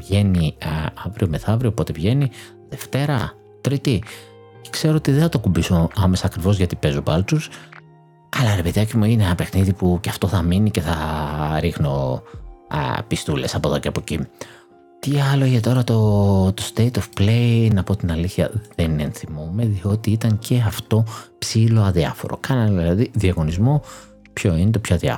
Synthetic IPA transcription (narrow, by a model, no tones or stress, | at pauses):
vʝe̞niɐvɾio̞meθɐvɾio̞po̞t̪evʝe̞ni | ðe̞ft̪e̞ɾɐ | t̪ɾit̪i | ce̥kse̞ɾoot̪iðeθɐt̪okumbisoɐme̞sɐːkɾivo̞zʝɐt̪ipe̞zopɐlt͡s̪us | ɐlɐɾepeðiɐcimuineenɐpe̞xniðipuceɐft̪o̞θɐminice̞θɐɾixno̞ | pist̪ule̞sɐpoðo̞ceɐpo̞ci | t̪iɐlo̞iʝet̪o̞ɾɐt̪o̞t̪ost̪ejt̪ofplejnɐpoot̪inɐliθçɐðeninenθimomeðio̞t̪iit̪ɐŋce̞ɐft̪o̞psilo̞ɐðiɐ̰fo̞̰ɾo̞̰kɐnɐnðilɐðiðiɐɣo̞nizmo̞ | pço̞inet̪o̞pçoɐðiɐ̰